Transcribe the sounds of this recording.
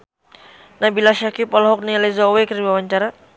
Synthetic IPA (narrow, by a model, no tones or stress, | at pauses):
nahbilaʃakipɔlɔɦɔk̚nializɔwekəɾiwawaɲt͡ʃaɾa